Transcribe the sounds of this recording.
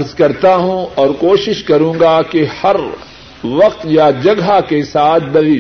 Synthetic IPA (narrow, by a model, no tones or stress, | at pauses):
ɾzkɐɾt̪aɦũɔːɾkoːʃɪʃkɐɾũːŋɡakehɐɾ | ʋɐq̚t̪jad͡ʒɐɡɦakesaːt̪̚ʰb̪ɐliː